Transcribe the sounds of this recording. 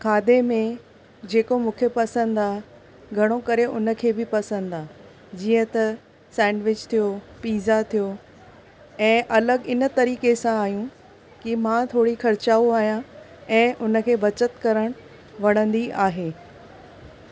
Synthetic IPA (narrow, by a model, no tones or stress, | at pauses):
kʰaːd̪emẽ | d͡ʑeːkomũːkʰepɐsə̃nd̪a | ɡʱɐɽ̃okɐɾeʔʊnə̆kʰeːbɪpɐsə̃n̆d̪aː | d͡ʑiːə̃t̪ɐ | sɛ̃ːɳɖʋɪt͡ɕt̪ʰijopiːzat̪ʰijo | ɛ̃ːʔɐləɡɪnə̆t̪ɐɾiːkesãːɦijũ | kimãt̪ʰoːɽixɐɾt͡ɕaːuaːɦijã | ɛ̃ːʔʊnə̆kʰeːbɐt͡ɕət̪kɐɾəɽ̃ | ʋɐɽ̃ə̃nd̪iaːɦeː